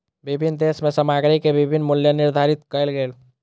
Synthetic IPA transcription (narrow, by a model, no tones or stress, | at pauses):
bɪbʱinːd̪eːsmẽsəmaːɡɾikebɪbʱinːmʊljənɪɾd̪ʱaːɾɪt̪kəlɡeːl